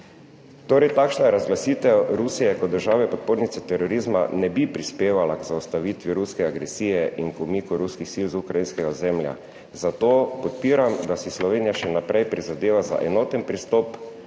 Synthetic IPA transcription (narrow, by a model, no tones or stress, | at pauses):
t̪oːɾɛjt̪akʃnajɛɾazɡlasiːt̪ɛwɾusijɛkɔəɾʒaːʋɛpɔt̪̚poːɾnit̪sɛt̪ɛɾɔɾizma̰nɛbipɾispeːʋalakzaust̪aʋit̪ʋjiɾuskɛaɡɾɛsiːjɛʔiŋkɔmikuɾuskixsilzukɾajinskɛɡazɛmlja̰ | zat̪oːpɔt̪̚piːɾamd̪asislɔʋeːnijaʃɛnapɾɛjpɾizad̪eːʋaza̰ʔɛnoːt̪ɛnpɾist̪ɔp